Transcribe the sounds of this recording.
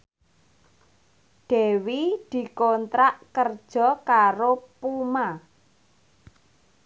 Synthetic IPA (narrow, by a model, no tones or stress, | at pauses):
ɖ̪̥ɛwid̪̥i̤kɔnt̪ɾaʔkərd̥ʒ̥ɔ̤kaɾopuma